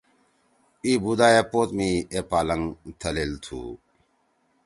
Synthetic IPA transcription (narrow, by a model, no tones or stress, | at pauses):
ibud̪aːepoːt̪mĩːepaːlɐŋt̪ʰɐlelt̪ʰṵː